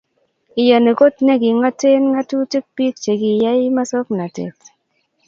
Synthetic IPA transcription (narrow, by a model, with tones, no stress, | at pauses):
i˨ja˨ne˨ko˦tne˦ɡi˨ŋa˦te˦nŋa˦tu˦ti˦k̚pi˦k̚t͡ʃe˨ɡi˨ja˦jma˦sɔ˦kna˨tḛ˨t